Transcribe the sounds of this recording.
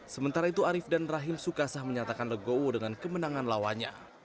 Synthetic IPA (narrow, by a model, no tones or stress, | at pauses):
səmənt̪aɾait̪uaɾɪfdanraɦɪmsukasahməɲat̪akanləɡowodəŋankəmənaŋanlawaɲa̰